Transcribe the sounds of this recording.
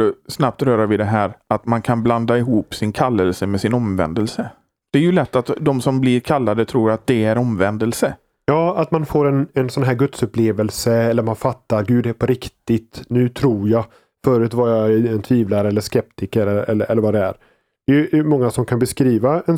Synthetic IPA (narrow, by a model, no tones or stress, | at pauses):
əsnap̚t̪ɾœːɾavɪd̪ɛɦæːɾat̪mankʰanbland̪aɪɦuːpsɪnkʰalːəlsəmɛsɪnɔmvɛ̰nd̪əlsə | d̪̥ɛːɾjɵlɛt̪ːat̪d̪ɔmsɔmblɪɾkʰalːad̪ət̪ʰɾuːɾat̪̚d̪ɛæɾɔmvɛnd̪əlsə | jɑːat̪manfoːɾɛnɛnsɔnɦæːɾɡɵt̪sɵpleːvəlsəɛlːəɾmanfat̪ːaɾɡʉ̟ːd̪ɛpʰɔɾɪkt̪ɪt̪nʉ̟ːt̪ʰɾuːɾja | fœːɾʉ̟t̪vaɾjaɛnt̪ʰviːvlaɾɛlːəʂkɛpt̪ɪkəɾɛɛ̰lːəʔɛlːəɾvad̪ɛæ̰ɾ | d̪ɛjɵmɔŋːasɔmkʰanbɛskɾiːvaɛn